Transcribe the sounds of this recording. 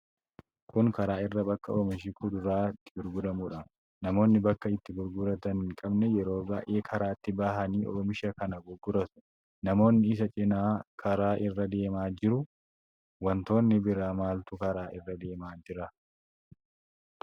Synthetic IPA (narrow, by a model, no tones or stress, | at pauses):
kʊŋkɐɾaːɪrːɐbɐkːɐʔoːmɐʃɪkʊd̪ʊɾaːɪt̪ːɪ̥ɡʊɾɡʊd̪ɐmuᶑɐ | nɐmo̞ːnːɪbɐkːɐɪt̪ːɪɡʊɾɡʊɾɐt̪ɐnkʼɐbnɛjɛɾo̞ːba̰ːʔeːkʰɐɾaːɪt̪ːɪbaːɦɐniːʔɔ̰ɔmɪʃɐkɐnɐɡʊɡːʊɾɐt̪ʊ̥ | nɐmo̞ːnːɪɪs̬ɐt͡ʃʼɪnaːkʰɐɾaːʔɪrːɐd̪e̞ːmaːd͡ʒɪɾʊ | wɐnt̪o̞ːnːɪbɪɾaːmaːlt̪ʊkɐɾaːʔɪrːɐd̪e̞ːmaːd͡ʒɪɾɐ